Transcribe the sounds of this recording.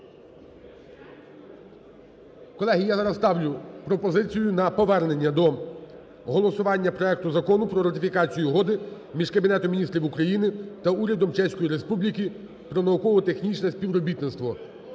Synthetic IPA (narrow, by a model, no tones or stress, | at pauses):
kɔlˠɛɦijazɐnɐst̪ɑwlʲʊpɾɔpɔzɪt͡sʲijʊnɐpɔʋɛrne̞nʲːɐd̪ɔ | ɦɔlˠɔsʊʋɑnʲːɐpɾɔɛk̚t̪ʊzɐkɔnʊpɾɔɾɐt̪ɪfʲikɑt͡sʲijuɦɔd̪ɪ | mʲiʒkɐbʲinɛt̪ɔmʲnʲist̪ɾʲiwukɾɐjinɪt̪ɐuɾʲɐd̪ɔmt͡ʃɛsʲkɔjiɾespublʲikʲi | pɾɔnɐukɔʋɔt̪e̞xnʲit͡ʃnɛsʲpʲiʋɾɔbʲit̪nɪt̪st̪ʋɔ